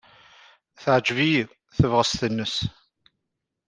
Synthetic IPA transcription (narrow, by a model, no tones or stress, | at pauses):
θəʕd͡ʒvij | θəvʁəst̪ənːəs